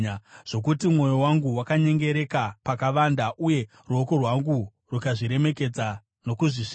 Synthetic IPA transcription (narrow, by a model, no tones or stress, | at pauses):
ʐ̥o̞k̬utimŋo̞jo̞waŋɡuwakaɲe̞ŋɡe̞ɾe̞kapakaʋandaʔuje̞ | ruo̞ko̞rwaŋɡu | rukaʐiɾe̞me̞ke̞d͡za | no̞kuʐiʂ